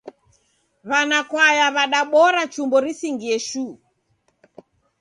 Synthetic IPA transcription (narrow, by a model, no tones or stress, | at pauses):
βanakwajaβaɗaɓɔɾat͡ʃumbɔɾisiŋɡiɛʃuː